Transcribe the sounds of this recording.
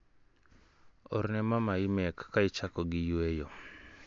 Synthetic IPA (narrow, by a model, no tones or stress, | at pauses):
ɔɾnɛmamaɪmɛkːaɪt͡ʃakɔɡɪjwejɔ